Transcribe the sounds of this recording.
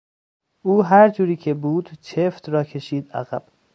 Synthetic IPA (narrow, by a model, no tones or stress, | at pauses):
ʔuːɦæɾd͡ʒuːɾiːcʰe̞buːd̪̥t͡ʃʰeft̪ɾɒːkʰe̞ʃiːd̪æ̰ɣæb̥